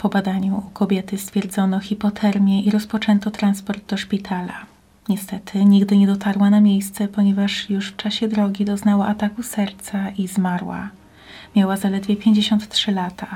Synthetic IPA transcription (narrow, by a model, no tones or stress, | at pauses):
pɔbad̪aɲuukɔbʲjɛt̪ɘst̪fʲjɛɾd̪zɔnɔxʲipɔt̪ʰɛɾmʲjɛiɾɔspɔt͡ʂɛnt̪ɔt̪ɾanspɔɾd̪d̪ɔʂpʲit̪ʰala̰ | ɲɛst̪ɛt̪ʰɘɲiɡd̪ɘɲɛd̪ɔt̪ʰaɾwanamʲjejst̪sɛpɔɲɛvaʂjuʂft͡ʂaɕɛd̪ɾɔɡʲid̪ɔznawaʔat̪akusɛɾt̪saizmaɾwa̰ | mʲjawazalɛd̪vʲjɛpʲjeɲd͡ʑeɕɔnt̪ːtʂɘlat̪ʰa